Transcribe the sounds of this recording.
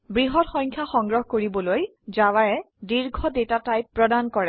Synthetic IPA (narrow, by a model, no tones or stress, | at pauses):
bɹiɦɔtxɔɲkʰjaxɔŋɡɹɔɦɔkoɹibɔloj | zawaɹɛ | diɹɡʱɔdetatajpːɹɔdankɔɹɛ